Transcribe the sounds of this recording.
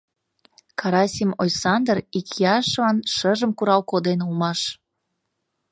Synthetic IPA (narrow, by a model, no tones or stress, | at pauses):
kʰɑɾɑsʲimojsɑnd̪rikjɑʃlɑnʃəʒəmkuɾɑwkod̪enulmɑʃ